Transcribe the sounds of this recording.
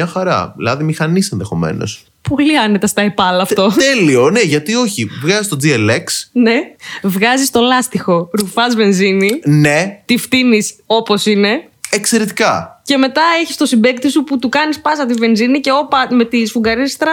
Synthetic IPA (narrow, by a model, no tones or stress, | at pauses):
ɐxɐɾɐ̰lɐðimixɐnisenðexo̞̰me̞̰no̞̰s | po̞liɐne̞t̪ɐst̪ɐepɐlɐːft̪o̞t̪elione̞ʝɐt̪io̞çivɣɐzist̪o̞d͡zieleksne̞vɣɐzist̪o̞lɐst̪ixo̞ɾufɐzve̞nzininet̪ift̪iniso̞po̞sine̞ | ekse̞ɾet̪i̥kɐce̞me̞t̪ɐeçi̥st̪o̞simbe̞k̚t̪isuput̪ukɐnispɐsɐt̪ive̞nzinice̞o̞pɐme̞t̪isfuɡɐɾist̪ɾɐ